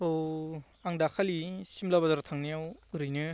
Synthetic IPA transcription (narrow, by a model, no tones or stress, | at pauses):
o | aŋdakʰalisimlabazaɾatʰaŋnijawɯɾɯjnɯ